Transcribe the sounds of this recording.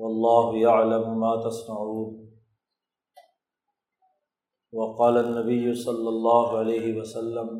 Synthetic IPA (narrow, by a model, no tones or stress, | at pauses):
wɑlˤːɑːɦʊjaʕlamʊmaːt̪asˤmaʕuːn | wɑqɑːlanːabɪjːʊsˤɑlːɑlˤːɑːɦʊʕalejɦɪwɐsalːam